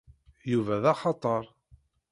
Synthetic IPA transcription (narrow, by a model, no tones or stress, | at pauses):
juvæðɑχɑt̪ˤəɾˤ